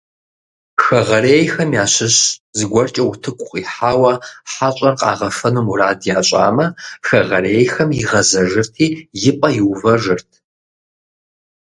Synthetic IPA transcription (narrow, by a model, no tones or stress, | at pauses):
xɐʁɐɾeːjxɐmjaːɕɪɕzɨɡʷɔrt͡ʃʼɐwtʰɨkʷʼʊχʼiːħaːwɐħaɕʼɐrqʼɑ̰ːʁɐfɐnumuraːdjaːɕʼa̰ːmɐxɐʁɐreːjxɐmjɪʁɐzɐʐɨrtʰiːjɪpʼɐjɪwvɐʐɨrtʰ